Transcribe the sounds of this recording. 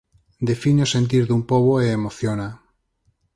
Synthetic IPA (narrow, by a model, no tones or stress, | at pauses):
d̪efiɲosent̪̬iɾðumpoβoeːmoθjona